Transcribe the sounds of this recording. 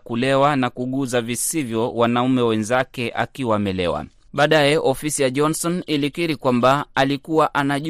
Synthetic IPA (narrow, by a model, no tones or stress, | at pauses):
kulɛwanakuɠuzavisivjɔwanaumɛwɛnzakɛʔa̰kiwamɛlɛ̰wa̰ | ɓaːɗajɛʔɔfisijaʄɔnsɔnilikiɾikwambaalikuwaʔanaʄ